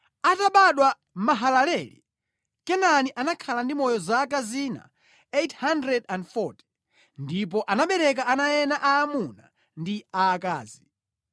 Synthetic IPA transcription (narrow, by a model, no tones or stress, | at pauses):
ataɓaɗwa | maɦalalɛlḭ | kɛnaniʔanakʰalandimɔjɔzaːkaziːna̰ | ethandɾɛdandfɔti̥ | ndip̬ɔʔanaɓɛɾɛk̬aanajɛnaʔaːmuna̰ | ndiaːka̰ːzi